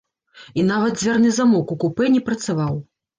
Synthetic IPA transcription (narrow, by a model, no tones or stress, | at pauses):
inavɐd̪̚d͡zʲvʲarnɨzamɔkukupɛnʲɛpɾɐt̪savaw